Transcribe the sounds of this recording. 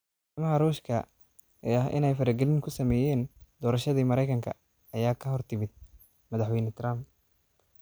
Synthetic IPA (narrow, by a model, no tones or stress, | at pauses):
ɐmɐɦɐɾɔːʃkʰɐ | ɛɐɦʔɪ̰nɛjfɐɾɐɡɛlɪŋkʰʊsɐmɛːjɛːnd̪ɔːɾɐʃɐðiːmɐɾɛjkʰɐŋkʰɐ̰ː | jaːkʰɐɦɔrt̪ʰɪmɪd̪̚ | mɐðɐħwɛjnɛt̪ɾaːmb